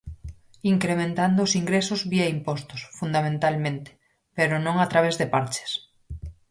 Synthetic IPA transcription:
iŋkɾemẽnt̪and̪oːsiŋɡɾesʊzβiaimpɔst̪ʊ̥sfund̪amẽnt̪almẽnt̪e̥ | peɾonõŋat̪ɾaβezðepaɾt͡ʃe̥s

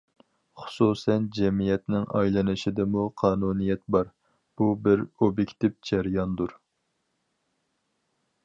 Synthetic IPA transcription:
χʊ̥susɛnd͡ʒɛmijɛt̪nɪŋʔɑ̰jlˠɨnɨʃɪd̪ɨmuqʰɑːnunijɛt̪̚bɑɾ | b̥ubɪɾobjekʲt̪ɪp̚d͡ʒɛɾjɑnd̪uɾ

